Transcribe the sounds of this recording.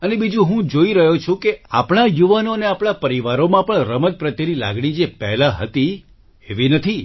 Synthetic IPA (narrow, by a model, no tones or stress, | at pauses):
ənebid͡ʒũɦũd͡ʒoiɾəɦot͡ʃʰũkeapɳ̃ajuʋanoəneapɳ̃apəɾiʋaɾomãpəɳɾəməd̪̚pɾət̪ənila̰ɡɽ̃id͡ʒepɛɦlaɦə̰t̪i | eʋinət̪ʰi